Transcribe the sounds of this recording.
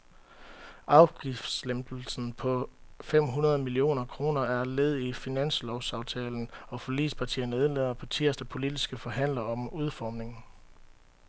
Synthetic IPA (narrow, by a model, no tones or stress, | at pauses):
ɑ̈ʊɡ̥ifd̥slemd̥l̩sn̩pʰɒ̽fem̰ɦunɐð̞ˠmilio̝̰ːnɐkʰʁo̝ːnɐæɐleð̞ˠifinæn̰slɒʊsɑ̈ʊt͡sʰɛːln̩ɒ̽fɒ̽lḭːspʰɑ̈t͡sʰḭːɐnəeð̩ˠleðˠɐpʰɒ̽t͡sʰiɐsd̥əpʰo̝lidisɡ̥əfɒ̽ɦæn̰lɐɒ̽muð̞ˠfɒːmne̝ŋ